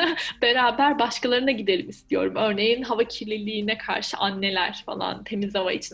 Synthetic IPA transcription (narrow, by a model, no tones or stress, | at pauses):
be̞ɾaːbæɾbaʃkalˠaɾɯnaɟid̪e̞lʲimist̪ʰijo̞ɾumø̞ɾne̞jinɦavacʰiɾlʲilʲiːnɛkʰa̰ɾʃɯʔanːe̞lʲæɾ̥fa̰lˠa̰nt̪ʰe̞mizhava̰it͡ʃʰin